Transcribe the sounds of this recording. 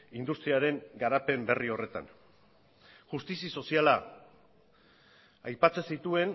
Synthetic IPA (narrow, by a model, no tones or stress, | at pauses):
ind̪ust̪ɾiaɾe̞ŋɡaɾape̞mbe̞rio̞re̞t̪a̰n | ʝust̪isiso̞siala | ajpat͡se̞sit̪ue̞n